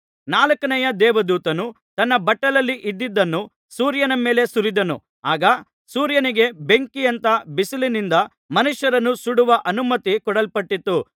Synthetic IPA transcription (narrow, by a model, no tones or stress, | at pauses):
naːlɐkɐnɐjɐd̪ɛːʋɐd̪uːt̪ɐnu | t̪ɐnːɐbɐʈːɐlɐlːiʔid̪ːid̪ːɐnːu | suːɾjɐnɐme̞ːle̞suɾid̪ɐnṵ | aːɡɐ | suːɾjɐniɡe̞beŋkijɐnt̪ɐbisilinind̪ɐ | mɐnuʂjɐɾɐnːusuɽuʋɐʔɐnumɐt̪ikɔɽɐlpɐʈːit̪ːu